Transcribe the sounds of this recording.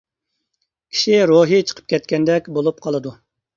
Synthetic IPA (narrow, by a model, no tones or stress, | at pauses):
kʲʰi̥ʃiɾoɦit͡ʃʰə̥qʰə̥p̚kʲʰɛt̪kʲɛnd̪ɛkʲbolˠup̚qʰɑlˠɨd̪u